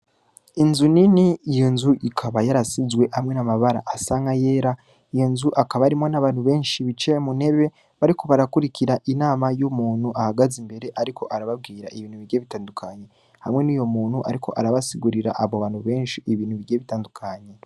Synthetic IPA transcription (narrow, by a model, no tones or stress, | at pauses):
inzuniniːjonzuʔikʰaβajaɾasizwe̞hamŋe̞namaβaɾa̰ʔasaːŋɡaje̞ːɾa | ijo̞nzuʔakaβaɾimo̞naβaːnhuβe̞ːnʃiβit͡ʃe̞mune̞βe̞ | βaɾiko̞βaɾakuɾikʰiɾaʔinaːmajumuːn̥huʔahaɡazimbe̞ɾe̞ʔaɾikʰo̞ʔaɾaβab̚ɡiːɾaʔiβiːn̥uβiɾjeβitaːndukʰaɲe̞ | ha̰mŋe̞nijo̞muːnhuʔa̰ɾikʰo̞̰ʔaɾaβasiɡuɾiɾa̰ʔaβoβaːnhuβe̞ːnʃiʔːβiːnhuβiɾɟeβitaːndukʰaɲe̞